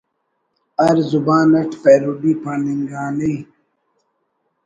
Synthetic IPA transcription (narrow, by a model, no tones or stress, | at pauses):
ɐɾzubãːnɐʈpeːɾuɖiːpãniŋɡaːniː